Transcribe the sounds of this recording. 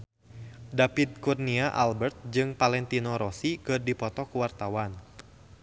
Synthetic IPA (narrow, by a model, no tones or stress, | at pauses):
dapid̪̚kurniaʔa̰lbərt̪̚d͡ʒɨŋpalɛnt̪inɔɾɔsikɨrdipɔt̪ɔkuwart̪awan